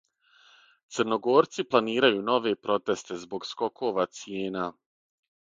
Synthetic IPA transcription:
t̪sərno̞ɡo̞ːɾt̪siplˠaniːɾajuːno̞ʋe̞pɾo̞t̪e̞st̪e̞zbo̞ɡsko̞kʰo̞ːʋat̪sjeːnaː

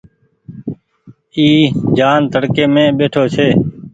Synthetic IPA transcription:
iːd͡ʒaːnt̪əɽkeːmẽːɓeːʈʰoːt͡ʃʰeː

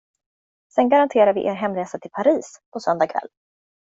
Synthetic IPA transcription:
sɛnɡaɾant̪ʰeːɾaɾvɪ̰ʔḛːɾɦɛmɾeːsat̪ʰɪlpʰaɾiːspʰɔsœnd̪akʰvɛ̰lː

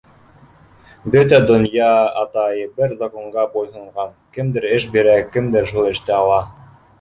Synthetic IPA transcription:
bɵt̪æd̪ŏnjɑɑt̪ɑjɤbɘɾzakoɴʁɑbojɦɤ̆ɴʁɑnkɘ̆md̪ɘɾɘʃbiɾækɘ̆md̪ɘɾʃulˠɘ̆ʃt̪ɘɑlˠɑ

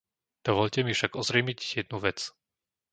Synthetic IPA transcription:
d̪̥ɔʋɔʎcɛmifʃaɡɔzɾɛmiɟjɛd̪̚nuʋɛt͡s

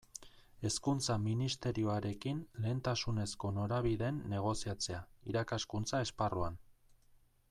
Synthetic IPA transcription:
e̞skunt͡saminist̪e̞ɾio̞aɾe̞kinle̞ːnt̪asune̞sko̞no̞ɾaβiðe̞nːe̞ɣ̞o̞siat͡se̞aiɾakaskunt͡sae̞sparuan

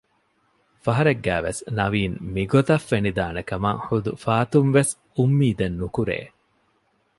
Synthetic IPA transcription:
fɐɦɐɾeɡːæːʋḛsnɐʋiːnmiɡot̪ɐfːenid̪aːnekɐma̰hud̪ufaːt̪unʋes | umːiːd̪ɐnːukuɾḛː

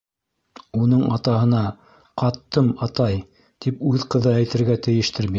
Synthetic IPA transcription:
unɤɴɑt̪ɑɦɤ̆nɑ | qɑt̪ːɤmɑt̪ɑj | t̪ipʉðqɤ̆ðɤæjt̪ɘ̆ɾɡæt̪ɘ̆jɘ̆ʃt̪ɘɾbi

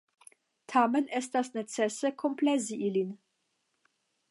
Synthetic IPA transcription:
tʰamenʔɛstasnet͡sɛsəkʰomplɛziʔilin

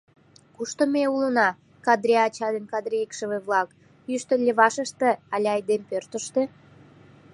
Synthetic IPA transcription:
kuʃt̪omeulənɑ | kɑd̪ɾʲeɑt͡ɕɑd̪enkɑd̪ɾijikʃəβeβlɑk | jyʃt̪əlʲːeβɑʃəʃt̪ĕɑlʲɑjd̪empørt̪ə̆ʃt̪e

